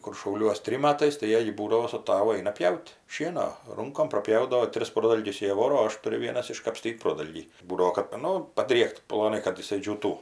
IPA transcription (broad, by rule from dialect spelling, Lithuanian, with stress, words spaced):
kʊr ʃɐʊˈlʲuɔs ˈtʲrʲɪm ˈmɑːtɐɪs tɐɪ ˈjiɛj ˈbuːdɐʋoː sʊ ˈtɑːʋʊ ˈɐɪnɐ ˈpʲjɛʊtʲ ˈʃʲiɛnoː ˈrʊŋkoːm prɐˈpʲjɛʊdɐʋoː ˈtʲrʲɪs ˈproːdɐlʲɡʲʊs ˈjiɛ ˈʋoːroː oː ˈɐʃ ˈtʊrʲʊ ˈʋʲiɛnɐs ɪʃkɐpʲˈsʲtʲiːtʲ ˈproːdɐlʲɡʲiː ˈbuːdɐʋoː kɐt ˈnʊ pɐdʲrʲiɛkt plˠoːˈnɐɪ kɐt jɪˈsɐɪ d͡ʒʲuːˈtuː